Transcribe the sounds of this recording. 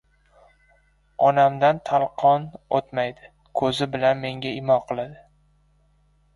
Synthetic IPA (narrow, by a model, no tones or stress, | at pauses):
ɒnamd̪ant̪ʰalˠqʰɒnot̪majd̪ɪ | kʰɵzɪbɪlanme̞ŋɡʲaɪmɒqʰɨlˠad̪ɪ